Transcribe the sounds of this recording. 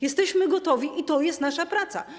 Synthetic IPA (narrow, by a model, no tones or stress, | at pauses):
jɛst̪ɛɕmɘɡɔt̪ɔvʲiʔit̪ɔjɛst̪naʂapɾat̪sa̰